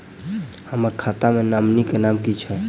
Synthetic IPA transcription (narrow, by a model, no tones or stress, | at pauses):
həməɾkʰat̪amenamnikenamkit͡ʃʰɛ